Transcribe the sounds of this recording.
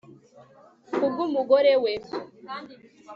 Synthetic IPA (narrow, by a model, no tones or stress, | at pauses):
uɡumuɡoɾewe